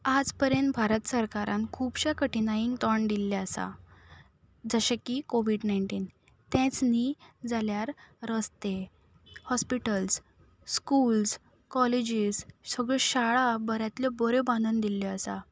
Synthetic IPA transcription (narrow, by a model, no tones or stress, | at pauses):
ad͡zpəɾjənt̪bʱaɾət̪səɾkaɾãnkʰuːbɕakəʈinajiŋɡt̪ɔɳd̪ilːaəsa̰ | d͡zəɕekikoʋiɖnaiɳʈiːn | t̪ɛ̃t͡snid͡zaljaɾːəst̪e | hɔspiʈəls | skuls | kɔled͡ʑizsəɡɭeɕaɭabəɾjat̪ljɔbəɾebãnd̪und̪iljɔəsa